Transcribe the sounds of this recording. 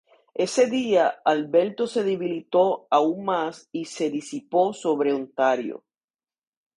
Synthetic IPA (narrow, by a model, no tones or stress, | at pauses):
e̞se̞ðiaalβe̞lt̪o̞se̞ðeβilit̪o̞auŋmasise̞ðisipo̞so̞βɾe̞ont̪aɾjo̰